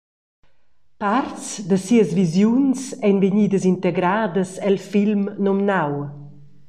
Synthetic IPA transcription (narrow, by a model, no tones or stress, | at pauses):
part͡sd̪əsiəzvizjunsɛnveɲiːd̪əzint̪eɡɾaːd̪əsɛlfilmnɔmnaw